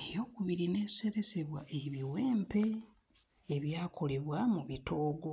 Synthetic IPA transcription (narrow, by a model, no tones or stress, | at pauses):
ejo̞ːkuβiɾine̞ːsu̥seɾe̞se̞βwaʔeβiweːmpe̞ | eβjaːkʰo̞le̞βwamuβitʰo̞ːɡo̞